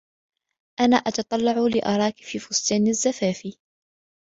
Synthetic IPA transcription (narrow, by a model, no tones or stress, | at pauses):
ʔana̰ːʔɑt̪ɑt̪ˤɑlːɑʕʊlɪʔɑ̰ɾˤɑːki̥fiːfʊsˤt̪ˤɑːnazːafaːfiː